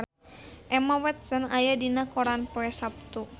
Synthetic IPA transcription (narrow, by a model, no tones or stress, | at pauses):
ʔɛmawɛt̪̚sənajadinakɔɾanpɔɛsap̚t̪u